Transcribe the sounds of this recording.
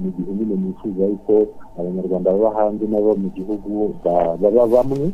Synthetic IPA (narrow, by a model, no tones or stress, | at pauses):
muɡihumunemifuːzaɾikʰoaβaɲaɾɡwaːndaβaβaɦaːnzinaβomuɟihuɡuβaβaβaβamwi